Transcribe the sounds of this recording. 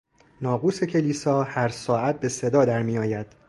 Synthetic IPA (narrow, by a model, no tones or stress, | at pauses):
nɒːɣuːse̞cʰe̞liːsɒːhæɾsɒːæt̪̚be̞se̞d̪ɒːd̪æɾmiːjɒːjæd̪̥